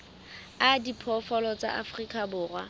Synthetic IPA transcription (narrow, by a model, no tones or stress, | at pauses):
adipʰɔfɔlɔt͡sa̰ʔafrikʼabʊːrwa̰